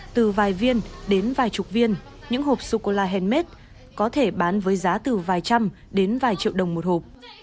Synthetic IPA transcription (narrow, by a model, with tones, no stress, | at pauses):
t̪ɨ˨˩vaː˨˩jvi˧ənɗe˨˦nvaː˨˩jt͡ɕʊ˨˩k͡p̚vi˧ən | ɲɨ̰˧˥ŋho˨˩p̚so˧ko˧laː˧ɦɛ˧nme˦˥t̚ | kɔ˨˦t̪ʰe˧˩ɓaː˨˦nvəː˨˦jzaː˨˦t̪ɨ˨˩vaː˨˩jt͡ɕa˧m | ɗe˨˦nvaː˨˩jt͡ɕḭ˧˨əwɗə˨˩wŋ͡mmo˨˩t̚ho˨˩p̚